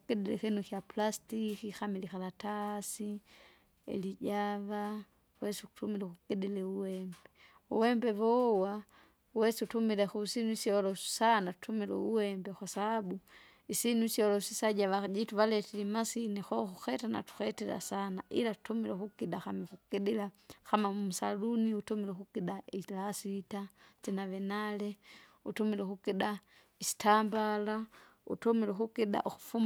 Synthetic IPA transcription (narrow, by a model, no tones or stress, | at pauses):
ukɛdɛlɛ̰xɛnukjapulastikixamilixalatasi | ɛ̰liɟava | wɛsiuutumilɛkukɛdɛlɛuwɛmbɛ | uwɛmbɛvɔwa | wɛsiutumilɛxusinuisiɔlɔsu̥sanatu̥tumilɛ̰uwɛmbɛkwasaabu | isinuisiolosisaɟaʋad͡ʒituβaletilimasinixoxuxetana̰tu̥xetila̰sanaʔḭlatu̥tumilexukiɗaxamixukiɗilaxamamumusaluniutumilexukiɗailasitat͡ʃinaʋenaleutumilexukiɗa | isi̥tambala | ṵtomilexukiɗa̰ʔuxu̥fum